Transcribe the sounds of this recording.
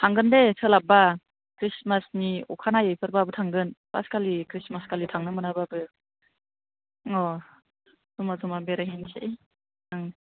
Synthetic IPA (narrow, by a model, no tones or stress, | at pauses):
tʰaŋɡɯndesʰəlaba | kɾismasniɔ̰kʰanajejpʰɯɾbabɯtʰaŋɡɯnb̥a̰skʰalikʰɾismaskʰalitʰaŋnɯmɯnabaːbɯ | ŋɔ | zɔmazɔmabeɾaɦenseʔ | ɯŋ